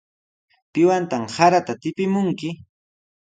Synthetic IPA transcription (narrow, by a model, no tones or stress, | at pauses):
pɪwant̪amhaɾat̪at̪ɪpɪmʊŋkɪ